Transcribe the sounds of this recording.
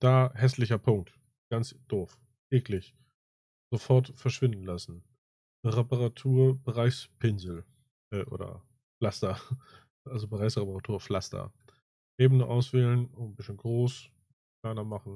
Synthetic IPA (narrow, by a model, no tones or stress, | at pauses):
d̥aːhɛslɪçɐpʰʊŋk̚t | ɡ̥ant͡sd̥oːf | ʔeːklɪç | z̥ofɔɐtfɛɐʃv̥ɪndn̩lasn̩ | ʁepəʁatʰuːɐbəʁaɪspʰɪnzl̩ | ʔɛːʔo̰ːdɐ̰ | flastɐ | ʔalzobəʁaɪsʁepɐʁatʰuːɐflastɐ̰ | ʔeːbənəʔaʊsv̥ɛːlənʊn̩bɪsənɡʁoːs | kʰl̥aɪnɐmaχn̩